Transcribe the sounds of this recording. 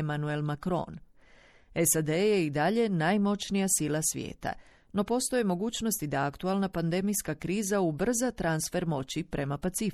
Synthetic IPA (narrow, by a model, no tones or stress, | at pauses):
manue̞lmakɾo̞̰ːn | esad̪ejeid̪aʎe̞najmo̞t͡ɕnijasilasʋjḛːt̪a̰ | no̞po̞st̪o̞je̞mo̞ɡuːt͡ɕno̞st̪id̪aakt̪ualˠnapand̪e̞mijskakɾiːzaubr̩zat̪ɾansfe̞ɾmo̞t͡ɕipɾe̞mapat̪sif